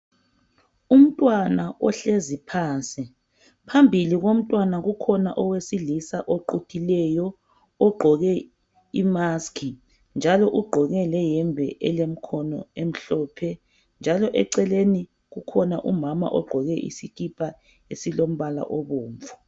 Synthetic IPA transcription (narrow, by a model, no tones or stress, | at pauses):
um̩tʼwanaʔɔɬezipʰaːnsi | pʰambʱiliɣom̩tʼwanaɣukʰɔna̰ʔɔwesilisaʔoǃutʼʰilɛjɔ | ɔɡ͡ǃʱɔɣɛ | imaskʰi | nd͡ʒʱalɔʔuɡ͡ǃʱɔɣɛlɛjɛmbʱɛʔɛlem̩kʰɔnɔ̰em̩ɬɔːpʰɛ | nd͡ʒʱalɔʔɛǀɛleni | ɣukʰɔnaʔumama̰ʔɔɡ͡ǃʱɔɣɛʔḭsiɣipʼa | esilom̩βala̰ʔɔβɔːɱvu